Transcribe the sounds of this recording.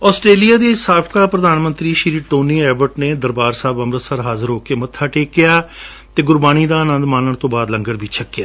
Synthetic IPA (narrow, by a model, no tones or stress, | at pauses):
ɔːsʈɾeːlijaːd̪eːɪsaːpʰkaːpɾəd̪aːnmə̃nt̪ɾiːʃɪɾiːʈoːniːɛːbəʈneːd̪əɾbaːɾsaːbəmɾəsəɾɦaːzəɾɦoːkeːmət̪ʰːaːʈeːkːɪjaː | t̪eːɡʊɾbaːñiːd̪aːənə̃nd̪maːnəɳ̃t̪õːbaːd̪ləŋɡəɾbʱit͡ʃʰəkːɪjaː